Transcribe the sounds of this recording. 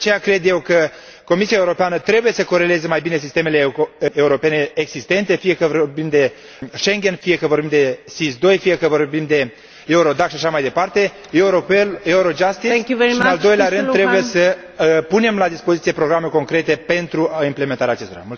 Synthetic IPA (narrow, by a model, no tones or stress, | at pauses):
t͡ʃejakɾe̞d̪je̞wkə | ko̞misiae̞uɾo̞peanət̪ɾe̞buje̞səko̞ɾe̞le̞zəmajbine̞s̬ist̪e̞me̞le̞euɾo̞pe̞ne̞ːɡzist̪e̞nt̪e̞fije̞kəvorbimd̪e̞ | ʃe̞ŋɡʲe̞nfije̞kəvo̞rbimd̪e̞sisd̪o̞jfije̞kəvo̞rbimd̪e̞ | e̞uɾo̞d̪aksʃaʃamajd̪e̞part̪e̞ | euɾoeleuɾo̞d͡ʒast̪iiɨnald̪o̞jleaɾɨnːɾebuje̞sə | pune̞mlad̪ispozit̪sije̞pɾo̞ɡɾameko̞ŋkɾe̞t̪e̞pe̞nt̪ɾuimple̞me̞nt̪aɾʲaːt͡ʃest̪o̞ɾa̰mult̪